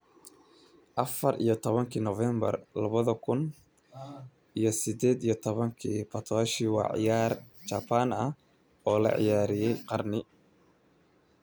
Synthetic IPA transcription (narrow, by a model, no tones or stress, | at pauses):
ʔɐfɐrʔḭjɞt̪ʰɔβɐŋkʰiːnɔfɛːmbɐ̰rlɐβɐðɐkʰʊn | ʔijɞsɪd̪ɛːd̪ijɞt̪ʰɔβɐŋkʰiːpʰɐt̪ʰɔːʃiwɑ̰ːʕɪ̰jaːr | t͡ʃaːpʰanɐh | ɔːlɐ̰ʕɪ̰jaːɾɪjɛjqɑrnɪ